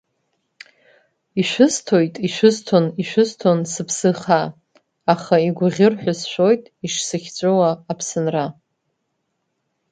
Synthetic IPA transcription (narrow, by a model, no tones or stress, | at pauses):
iʃʷᶣʊztʰo̞jtʼiʃʷɪztʰoniʃʷᶣɨztʰonsɨpʰsɨχa | aχaiɡʷʊʁʲɪrħʷᶣasʃʷᶣo̞jtʼiʂsɨχʲt͡sʷʼowaːpʰsɨnra